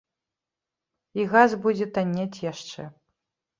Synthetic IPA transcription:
iɣazbud͡zʲɛt̪anʲːat͡sʲjaʂt͡ʂɛ

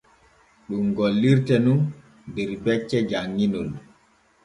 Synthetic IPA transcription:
ɗumɡolːiɾtɛnun | dɛɾbɛt͡ʃːɛd͡ʒaŋːinɔl

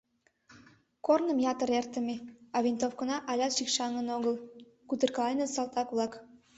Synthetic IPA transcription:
kornə̆mjɑt̪ə̆ɾert̪ə̆meɑβʲint̪ofkonɑʔɑlʲɑt̪ʃikʃɑŋə̆noɣəlˠ | kut̪ərkɑlˠɑjnɤsɑlˠt̪ɑkβlˠɑk

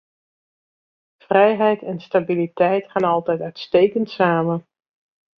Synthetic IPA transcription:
v̥rɛjɦɛjtɛnstabilitɛjtxaːnɑlˠtɛjtœɥtstejkəntsaːmə

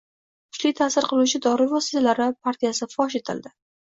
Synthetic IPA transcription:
kʰʊ̥t͡ʃlɪjt̪ʰasɪɾqʰɨlˠut͡ʃʰɪd̪ɒɾɪɾvɒsɪ̥t̪ʰalaɾɪpʰaɾt̪ʰijasɪfɒʃe̞t̪ʰɪ̰ld̪ɪ

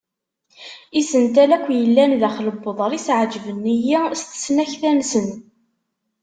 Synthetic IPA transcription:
isənt̪ælækʷːjəlːænðæχləbːəðˤəɾˤisʕd͡ʒvənːijæst̪ə̥snæçθænsən

